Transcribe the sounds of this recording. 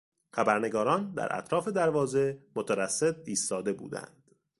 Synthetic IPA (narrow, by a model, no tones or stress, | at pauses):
xæbæɾne̞ɡɒːɾɒːnd̪æ̰ɾʔæ̰t̪ʰɾɒːfe̞d̪æɾvɒːze̞mot̪ʰævæsːe̞t̪̚iːst̪ɒːd̪e̞bṵːd̪æ̰nd̪̥